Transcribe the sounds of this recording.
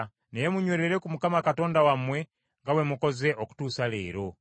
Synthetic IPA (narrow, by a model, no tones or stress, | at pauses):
nejemuɲweɾeɾekumukamakato̞ːndawamwe̞ | ŋɡawemuko̞ze̞ʔoku̥tuːsalḛːɾo